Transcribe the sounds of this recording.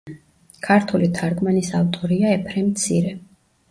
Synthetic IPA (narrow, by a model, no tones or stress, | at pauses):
kʰaɾt̪ʰulit̪ʰaɾɡmanisavt̪ʼɔɾiaɛpʰɾɛmt̪sʰiɾɛ